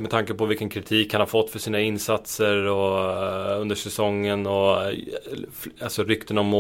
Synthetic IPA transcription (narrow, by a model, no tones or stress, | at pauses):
mɛd̪t̪ʰaŋkəpɔvɪlkːənkʰɾɪt̪ʰiːkhanhafɔt̪ːfœʂiːnaɪnsat̪səɾɔ | ɵnd̪əʂɛsɔŋːənɔ | falsɔɾʏkt̪ənɔmːo